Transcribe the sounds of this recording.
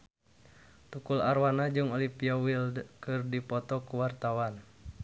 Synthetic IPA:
t̪ukularwanad͡ʒɨŋolipiawilkɨrdipɔt̪ɔkuwart̪awan

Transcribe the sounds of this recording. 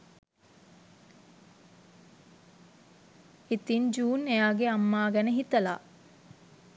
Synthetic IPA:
it̪ind͡ʒuːnejaːɡeamːaːɡænəɦit̪əla

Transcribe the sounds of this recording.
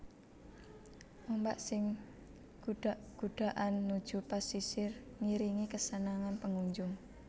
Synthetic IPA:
ʔombaʔsɪŋ | ɡ̥ud̥aɡ̥uɖ̥a̤ʔanːud̥ʒ̥ṳpasisɪrŋiɾiŋikəsənaŋanpəŋuɲd͡ʒʊŋ

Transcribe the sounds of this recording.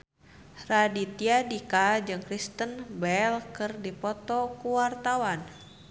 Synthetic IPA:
radit̪iadikad͡ʒɨŋkɾist̪ənbɛlkɨrdipɔt̪ɔkuwart̪awan

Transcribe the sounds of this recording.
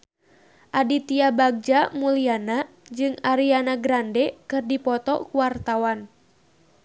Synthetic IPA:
ʔadit̪iabaɡ̚d͡ʒamuliana | d͡ʒɨŋaɾianaɡɾandɛkɨrdipɔt̪ɔkuwart̪awan

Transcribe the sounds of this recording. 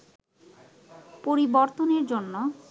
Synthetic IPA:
poɾiboɾt̪oneɾd͡ʑonːo

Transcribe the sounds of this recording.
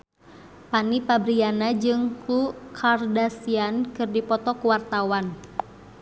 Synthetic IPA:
panipabɾianad͡ʒɨŋklukʰardasiankɨrdipɔt̪ɔkuwart̪awan

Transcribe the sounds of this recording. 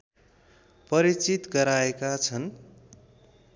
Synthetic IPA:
pʌɾit͡sit̪ɡʌɾaekat͡sʰʌn

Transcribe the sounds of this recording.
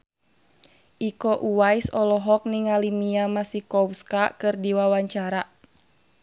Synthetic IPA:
ʔikɔʔuwaisɔlɔɦɔk̚niŋalimiamasikɔwskakɨrdiwawaɲt͡ʃaɾa

